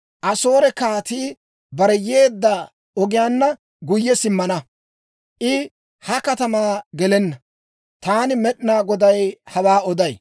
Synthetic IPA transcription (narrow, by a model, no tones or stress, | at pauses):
ʔɐso̞ːɾɛkaːt̪iː | bɐɾɛje̞ːd̪ːa | ɔɡɪjaːnːɐ | ɡʊjːɛsɪmːɐnɐ | ʔɪ | hɐkɐt̪ɐmaːɡɛlɛnːɐ | t̪aːnɪmɛɗɪnaːɡɔd̪ɐjhɐwaːɔd̪ɐj